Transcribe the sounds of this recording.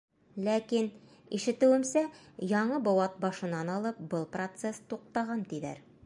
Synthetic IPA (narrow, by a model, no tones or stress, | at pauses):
lækin | iʃɘ̆t̪ɘ̆wɘ̆msæjɒɴɤbɒwɑt̪̚bɒʃɤ̆nɑnɒlˠɤp̚bɤlˠprot̪sest̪uq̚t̪ɑʁɑnt̪ilæ̰ɾ